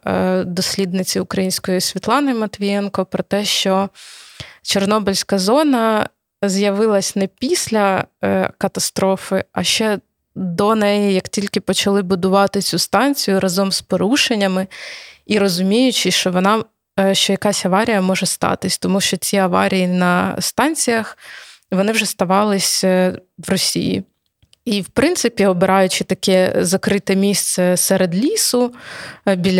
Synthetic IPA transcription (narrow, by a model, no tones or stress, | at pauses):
d̪ɔsʲlʲid̪nɪt͡sʲiʊkɾɐjinʲsʲkɔjisʲʋʲit̪lˠɑnɪmɐt̪ʋʲijɛnkɔpɾɔt̪ɛʃt͡ʃɔ | t͡ʃɔrnɔbɪlʲsʲkɐzɔnɐ | zjɐʋɪlˠɐsʲnɛpʲisʲlʲɐ | kɐt̪ɐst̪ɾɔfɪɐʃt͡ʃɛ | d̪ɔnɛjijɐktʲilʲkɪpɔt͡ʃɐlˠɪbʊd̪ʊʋɑt̪ɪt͡sʲust̪ɑnʲt͡sʲijʊɾʔɐzɔmspɔɾuʃenʲːɐmɪiɾɔzʊmʲijʊt͡ʃɪʃt͡ʃɔʋɔnɑ | ʃt͡ʃɔjɐkɑsʲɐʋɑɾʲijɐmɔʒɛst̪ɑ̰t̪ɪsʲt̪ɔmuʃt͡ʃɔt͡sʲiɐʋɑ̰ɾʲijinɐst̪ɑnʲt͡sʲijɐx | ʋɔnɪwʒɛst̪ɐʋɑlˠɪsʲʋrɔsʲḭjḭ | iwpɾɪnsɪpʲiɔbɪɾɑjʊt͡ʃɪt̪ɐkɛzɐkɾɪt̪ɛmʲist̪sɛsɛɾed̪lʲisʊ | bʲilʲ